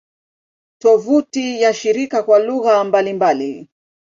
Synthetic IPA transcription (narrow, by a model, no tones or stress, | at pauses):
tɔvutijaʃiɾikakwaluɣambalimbali